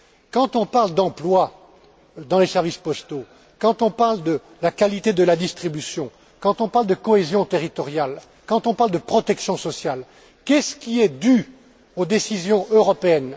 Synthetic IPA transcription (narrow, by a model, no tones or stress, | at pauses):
kɑ̃t̪ɔ̃paʁld̪ɑ̃plwa | d̪ɑ̃lesɛʁvispɔst̪o | kɑ̃t̪ɔ̃paʁld̪ə | lakalit̪ed̪əlad̪ist̪χibysjɔ̃ | kɑ̃t̪ɔ̃paʁld̪əkɔezjɔ̃t̪eʁit̪ɔʁjal | kɑ̃t̪ɔ̃paʁld̪əpχɔt̪ɛksjɔ̃sɔsjal | kʲɛsə̥kʲiɛd̪y | od̪esizjɔ̃øʁɔpeɛn